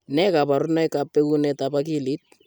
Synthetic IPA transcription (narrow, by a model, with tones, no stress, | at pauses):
nɛ˦ka˨pa˨ɾʊna˦jka˨pːe˦ku˦nɛ˨tapa˦ki˦li˦t̚